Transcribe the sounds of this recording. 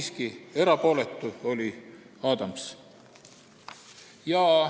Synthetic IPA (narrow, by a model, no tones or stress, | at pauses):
skie̞ɾɑpo̞ːlet̪ːˑuo̞lʲi | ɑːd̪ɑms | jɑ